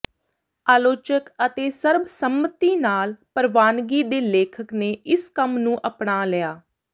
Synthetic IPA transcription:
aːloːt͡ʃəkət̪eːsəɾbsəmːət̪iːnaːlpəɾʋaːnɡiːd̪eːleːkʰəkneːɪskəmnũːʔəpɳaːləjaː

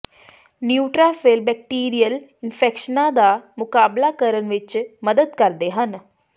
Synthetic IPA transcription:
njuːʈɾaːfʰeːlbɛːk̚ʈiːɾijəlɪnpʰɛːkʃənãːd̪aːmʊkaːblaːkəɾənʋɪt͡ʃməd̪əd̪kəɾd̪eːɦən

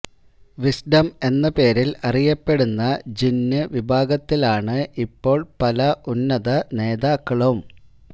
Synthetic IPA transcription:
ʋisɖɐme̞nːɐpe̞ːɾilɐrijɐpːe̞ɽunːɐd͡ʑinːɨʋibʱaːɡɐt̪ːilaːɳɨʔipːo̞ːɭpɐlɐʔunːɐðɐne̞ːðaːkːɐɭɐʋum

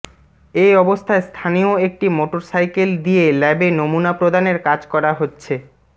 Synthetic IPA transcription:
ejɔbost̪ʰaest̪ʰanioek̚ʈimoʈoɾsajkeld̪ielɛbenomunapɾod̪ʱaneɾkad͡ʑkɔɾaɦotːɕʰe

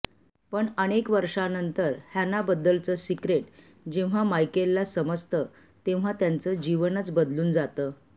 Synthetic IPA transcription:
pəɳəɽ̃ekʋəɾʂanənt̪əɾhjanːabəd̪ːəlt͡səsikɾeʈ | d͡ʑeʋ̤amajkelːasəməst̪ə | t̪ẽʋ̤̃at̪jant͡səd͡ʑiʋənət͡sbəd̪luːnd͡zat̪əː

